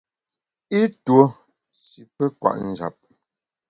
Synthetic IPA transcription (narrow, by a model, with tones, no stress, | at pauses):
i˦two˨˦ | si˨pɛ˦kwa̰˨ʔn̩˨d͡ʒa̰˨p̚